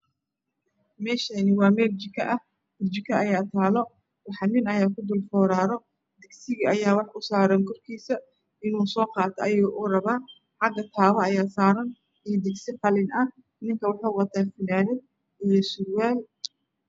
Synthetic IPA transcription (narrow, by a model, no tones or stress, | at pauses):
mɛːʃɐnɪwɑːmɛːlt͡ʃɪkʰɐʔɐh | ɪlt͡ʃɪkʰɐɐjaːt̪ʰaːlɔ | wɑħɑnɪnɐjaːkʰʊd̪ʊlfɔːɾaːɾɔ | d̪ɪɡsɪɣiɐjaːwɑħʔʊsaːɾɐŋkʰɔrkʰiːsɐ | ɪnuːsɔːqɑːt̪ʰɔɐjɛʔʊrɐβaːn | ħɑɡɐt̪ʰaːβɐɐjaːsaːɾɐn | ijd̪ɪɡsɪqɑlɪnɐh | nɪŋkʰɐwɑħɑwɑt̪ʰaːfɪnaːðɛd̪ | ijɔsʊrwaːl